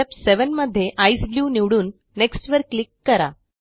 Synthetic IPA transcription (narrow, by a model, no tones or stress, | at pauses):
epseʋənməd̪ʱːjeʔaisbljuːniʋɽuːnː | eksʈʋəɾkːlikːəɾa̰